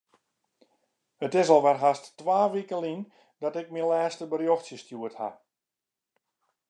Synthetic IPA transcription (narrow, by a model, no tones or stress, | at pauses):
hətɪsɔlˠʋɛrɦastːʋaːʋikəlin | dɔtɪk̚milɛːstəbərjoxsjəstjuətha̰